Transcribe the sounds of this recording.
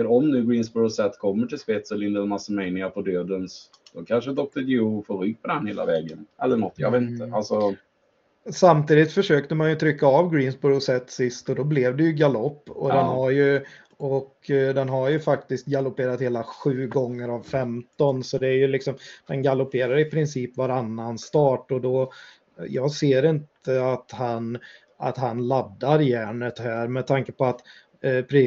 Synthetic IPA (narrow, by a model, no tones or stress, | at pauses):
əɾɔmnʉ̟ːɡɾiːnsbɔɾʊsɛt̪ːkʰɔmːəʈɪlspɛːt̪sɛlɪnd̪əlmasəmɛɪnɪapʰɔd̪øːd̪əns | d̪̥ɔkʰanʂəd̪ɔk̚t̪ʰəd̪jufoːɾʏɡ̚pʰɔd̪ɛnheːla̰vɛːɡənɛlːəɳɔt̪ːjɑ̰veːt̪̩t̪əalsɔ | samt̪ʰiːd̪ɪt̪fœʂøːkt̪əmanjɵt̪ʰɾʏkːaavɡɾiːnsbɔɾʊsɛt̪ːsɪst̪ɔd̪ɔblɛvd̪ɛjɵɡalɔpːɔ̰d̪ɛnɦaɾjɵ | ɔk | d̪ɛnɦaɾjɵfak̚t̪ɪskt̪̚ɡalʊpeːɾat̪heːlaɧʉ̟ːɡɔŋːəɾavfɛmt̪ɔnsɔd̪ɛæɾjɵlɪksɔmd̪ɛnɡalʊpeːɾaɾɪpʰɾɪnsiːpvaɾanːanst̪ɑːʈɔd̪ɔ | jɑːɡseːɾɪnt̪əat̪han | a̰t̪ɦanlad̪ːaɾjæːɳət̪hæːɾmɛt̪ʰaŋkəpɔat̪ | pʰɾ